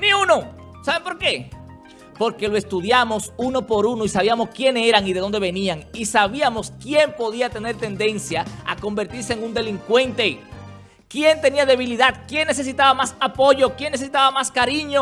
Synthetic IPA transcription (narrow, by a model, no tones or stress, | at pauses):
niuno | saβempo̞ɾke̞ | po̞ɾke̞loe̞st̪uðjamo̞sunopo̞ɾuno̞isaβ̞iamo̞skje̞nse̞ɾaŋiðeðond̪e̞βe̞niaŋisaβiamo̞skje̞mpo̞ðiat̪e̞ne̞ɾt̪e̞nd̪e̞nsjaa̰ko̞mbe̞ɾt̪iɾse̞ːŋund̪e̞liŋkwe̞nt̪e̞ | kje̞nt̪e̞niaðe̞βiliðaðkje̞nːe̞se̞s̬it̪aβamasapo̞ʝo̞kjenːeses̬it̪aβamaskaɾiɲo